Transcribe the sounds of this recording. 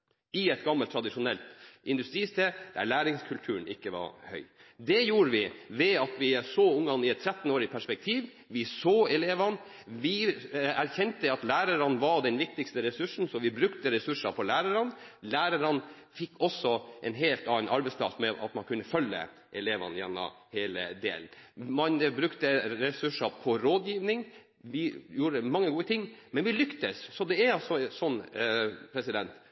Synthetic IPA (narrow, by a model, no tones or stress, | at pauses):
ɪɛt̪ɡɑmːəlt̪ʰːɾɑd̪ɪʂʊnɛlt̪ʔɪnd̪ʉst̪ɾiːst̪ʰeːd̪̥æ̰ɭæːɾɪŋskʰʉlt̪ʰʉːən̩ɪkːəʋɑ̰ɾhœ̰ʏd̪ɛjuːɾəʋɪʋɛɑt̪ʋɪæsoːʊŋːɑnːɪɛt̪ʰːɾɛt̪ːn̩oːɾɪpʰæʂpɛk̚t̪ʰiːʋ | ʋɪsoːɛleːʋɑn | ʋɪæɾçɛnt̪əɑt̪læːɾəɾɑnʋɑɖɛnʋɪk̚t̪ɪkst̪əɾɛsʉʂn̩sɔʋɪbɾʉkt̪əɾɛsʉʂɑfɔlæːɾəɾɑnlæːɾəɾən | fɪkːɔsːɔʔɛnɦeːlt̪ɑːnʔɑɾbɛspʰlɑ̰smɛʔɑ̰t̪mɑnkʰʉnːəfœlːə̰ | ʔɛleːʋɑ̰njɛnːɑ̰ | heːlə̰d̪ḛːln̩mɑnbɾʉkt̪əɾɛsʉʂɑpʰɔɾoːd̪jiːʋnɪŋ | ʋɪjuːɾəmɑŋːəɡuːət̪ʰɪŋːmɛnʋɪlʏkt̪əsːɔd̪ɛæɾɑlsɔsɔnː | pʰɾɛsɪd̪ɛnt̪